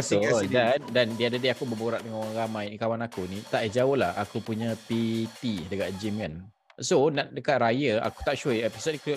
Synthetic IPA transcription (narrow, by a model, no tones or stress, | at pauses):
sodandandiadadiakubəboɾaʔdəŋanoɾaŋɾamãjnikawanakunit̪aʔjɛd͡ʒaohlaha̰kupuɲãpit̪idəkaʔ̚d͡ʒimkan | sonaʔdəkaʔ̪̚ɾajəa̰ku̥t̪aʔʃuəɛpisot̚nik